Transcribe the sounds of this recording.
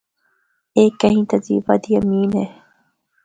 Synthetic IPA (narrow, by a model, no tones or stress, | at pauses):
eːkːɐɦĩːt̪ɐzḭːbad̪ijɐmiːne